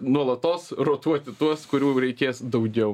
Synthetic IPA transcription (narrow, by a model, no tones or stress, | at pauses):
nuɔlˠɐt̪oːsroːt̪uɔt̪ʲɪt̪uɔskʊɾʲuːɾʲɛɪkʲeːsd̪ɐʊɡʲɛʊ